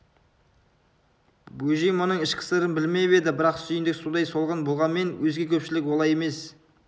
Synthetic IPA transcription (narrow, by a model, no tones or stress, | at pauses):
buʒijmɑnəɴɪʃkʲʰɪ̥seɾɪnbɪlme̞be̞d̪ɪbɪɾɑqsyjɪnd̪ɪksud̪ɑjso̞lˠʁənbo̞lˠʁɑnme̞nwɵzɡʲe̞kʲʰɵpʃɪlɪkwolˠɑjeme̞s